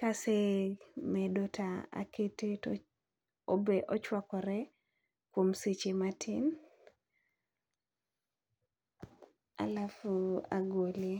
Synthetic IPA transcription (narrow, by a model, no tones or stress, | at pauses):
kasemɛdotʰaa̰kʰeteto | obeʔɔt͡ʃwakɔɾɛ | kwomset͡ʃematʰin | a̰lafua̰ɡole